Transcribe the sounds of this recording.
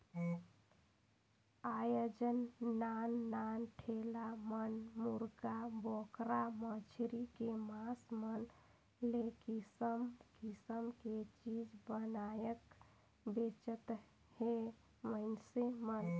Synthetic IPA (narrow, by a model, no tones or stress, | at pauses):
ajod͡ʒənːanːanʈʰelamənmuɾɡabokɾamət͡ʃʰɾikemasmən | lekisəmkisəmket͡ʃid͡ʒbənajək | bet͡ʃət̪ | he | məɪnsemən